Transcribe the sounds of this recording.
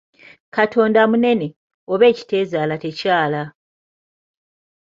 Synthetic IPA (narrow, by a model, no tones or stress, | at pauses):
kato̞ːndamune̞ne̞ | oβe̞ːci̥te̞ːzaːlate̞caːla